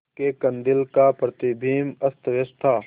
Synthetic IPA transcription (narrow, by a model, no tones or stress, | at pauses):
kekɐnd̪ɪlkapɾət̪ibʱiːmɐst̪ʰʋɪst̪ʰaː